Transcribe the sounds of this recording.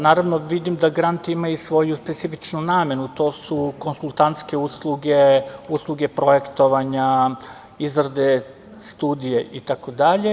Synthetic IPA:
naːɾaʋnoʋid̪imd̪aɡɾant̪iimajusʋo̞juspe̞t̪sifit͡ʃnunaːme̞nut̪o̞ːsuko̞nsulˠt̪ant̪ske̞uslˠuɡeuslˠuɡe̞pɾo̞je̞kt̪o̞ʋaɲa | izɾad̪e̞ | st̪uːd̪ijeʔit̪ako̞d̪aʎe̞

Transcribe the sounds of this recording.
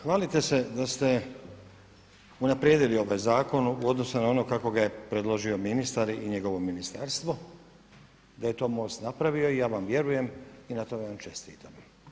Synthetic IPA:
xʋaːlit̪e̞se̞d̪ast̪e̞ | unapɾjed̪ilio̞ʋajzaːko̞nuo̞d̪nosunao̞no̞kako̞ɡaje̞pɾe̞d̪lˠo̞ʒio̞minist̪aɾiʔiɲe̞ɡo̞ʋo̞minist̪aɾst̪ʋo̞ | d̪aje̞t̪o̞ːmo̞st̪napɾaʋio̞ijaːʋamʋje̞ɾuje̞minat̪o̞ɡaʋamt͡ʃe̞st̪ḭːt̪ʰam

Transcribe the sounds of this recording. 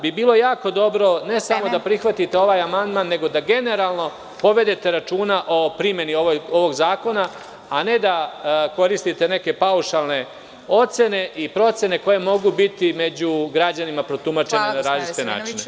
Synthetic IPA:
bibiːlˠo̞jaːko̞d̪o̞bɾo̞ne̞samo̞d̪apɾixʋat̪it̪e̞o̞ʋaːjamand̪maːnːe̞ɡo̞d̪aɡe̞ne̞ɾaːlˠno̞ | po̞ʋe̞d̪e̞t̪e̞ɾat͡ʃuːnaʔo̞pɾimje̞nio̞ʋooʋo̞ɡzaːko̞na | ane̞d̪ako̞ɾist̪it̪e̞ne̞ke̞pauʃalˠne̞ | o̞t̪se̞ne̞ʔipɾo̞t̪se̞ne̞ko̞je̞mo̞ɡubit̪ime̞d͡ʑuɡɾad͡ʑanimapɾo̞t̪umat͡ʃenenaɾaːzit͡ʃt̪ena̰ːt͡ʃne

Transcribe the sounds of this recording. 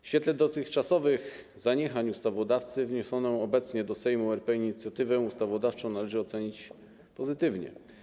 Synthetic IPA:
ɕfʲɛt̪lɛd̪ɔt̪ɘxt͡ʂasɔvɘɣ | zaɲɛxaɲust̪avɔd̪aft̪sɘvɲɔsɔnɔ̃w̃ɔbɛt̪sɲɛd̪ɔsɛjmuɛɾpɛiɲit̪sʲjat̪ɘvɛust̪avɔd̪aft͡ʂɔ̃w̃nalɛʐɘɔt̪sɛɲit͡ɕ | pɔzɘt̪ɘvɲɛ̰

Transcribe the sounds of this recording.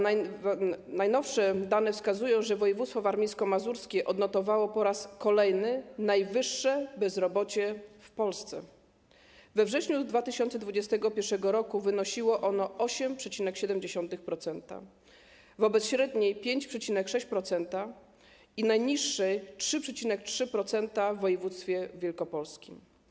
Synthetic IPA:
najnɔfʂɛd̪anɛfskazujɔ̃w̃ʐɛvɔjɛvut̪st̪fɔvaɾmʲijskɔmazuɾskʲɛʔɔd̪nɔt̪ɔvawɔpɔɾaskɔlɛjnɘnajvɘʂːɛbɛzɾɔbɔt͡ɕɛfpɔlst̪sɛ̰ | vɛvʐɛɕɲud̪vat̪ɘɕɔnt̪sɛd̪vud͡ʑɛst̪ɛɡɔpʲjɛɾʂɛɡɔɾɔkuvɘnɔɕiwɔʔɔnɔʔɔɕɛmpʂɛt͡ɕinɛkɕɛd̪ɛmd͡ʑeɕɔnt̪ɘxpɾɔt̪sɛnt̪a̰ | vɔbɛt̪ɕɾɛd̪ɲejpʲjeɲt͡ɕpʂɛt͡ɕinɛkʂɛɕt͡ɕpɾɔt̪sɛnt̪a | inajɲiʂːɛjtʂɘpʂɛt͡ɕinɛk̚tʂɘpɾɔt̪sɛnt̪avːɔjɛvut̪st̪fʲjɛvʲjɛlkɔpɔlskʲim

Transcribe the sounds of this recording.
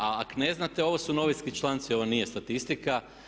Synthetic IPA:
aakone̞znat̪e̞o̞ʋosuno̞ʋiskit͡ʃlˠant̪sio̞ʋonije̞st̪at̪ist̪ika

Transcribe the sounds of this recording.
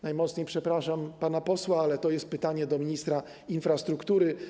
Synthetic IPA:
najmɔt̪sɲejpʂɛpɾaʂampanapɔswaalɛt̪ɔjɛst̪̚pɘt̪aɲɛd̪ɔmʲiɲist̪ɾa | infɾast̪ɾukt̪uɾɘ

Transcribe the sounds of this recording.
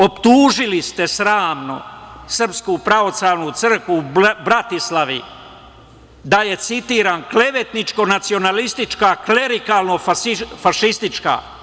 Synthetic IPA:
opt̪uːʒilist̪e̞sɾaːmno̰sr̩pskupɾao̞slaʋnut̪sr̩kʋubɾat̪islaʋḭ | d̪aje̞t̪sit̪iːɾaːnkle̞ʋet̪nit͡ʃko̞nat̪sio̞nalist̪it͡ʃkakle̞ɾikalno̞fafaʃist̪it͡ʃka̰

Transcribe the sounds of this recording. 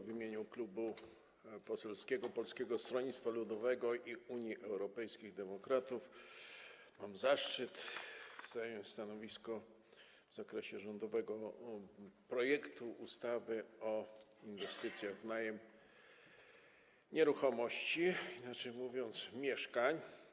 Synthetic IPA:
vʲimʲjeɲuklubu | pɔsɛlskʲɛɡɔpɔlskʲɛɡɔst̪ɾɔɲit̪st̪falud̪ɔvɛɡɔʔiuɲjiʔɛwɾɔpɛjskʲiɣd̪ɛmɔkɾat̪uf | mamzaʂt͡ʂɘt̪z̥ajɔɲst̪anɔvʲiskɔ | vzakɾɛɕɛʐɔnd̪ɔvɛɡɔ | pɾɔjɛkt̪uʔust̪avɘɔinvɛst̪ɘt̪sʲjaɣvnajɛm | ɲɛɾuxɔmɔɕt͡ɕiinat͡ʂɛjmuvʲjɔnt̪smʲjɛʂkaɲ

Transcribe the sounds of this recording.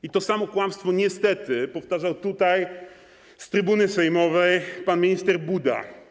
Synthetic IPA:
it̪ɔsamɔkwamst̪fɔɲɛst̪ɛt̪ɘpɔft̪aʐawt̪ut̪aj | st̪ɾɘbunɘsɛjmɔvɛjpanmʲiɲist̪ɛɾbud̪a̰

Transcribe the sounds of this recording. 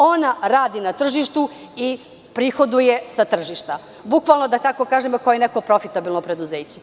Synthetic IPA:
o̞naɾaːd̪inat̪r̩ʒiʃt̪u | i | pɾixo̞d̪ujesat̪r̩ʒiʃt̪a | bukʋalˠnod̪at̪ako̞kaːʒemokojenekopɾo̞fit̪abilnopɾe̞d̪uzeːt͡ɕe

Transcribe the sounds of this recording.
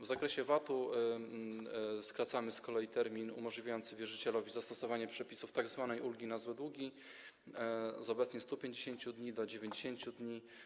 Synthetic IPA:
vzakɾɛɕɛvat̪u | skɾat̪samɘskɔlɛjit̪ɛɾmʲinṵmɔʐlʲivʲajɔnt̪sɘvʲjɛʐɘt͡ɕɛlɔvʲizast̪ɔsɔvaɲɛpʂɛpʲisuft̪aɡzvanɛjʔulɡʲinazwɛd̪wuɡʲi | zɔbɛt̪sɲɛst̪upʲjeɲd͡ʑeɕeɲt͡ɕud̪ɲid̪ɔd͡ʑevʲjeɲd͡ʑeɕeɲt͡ɕud̪ɲi

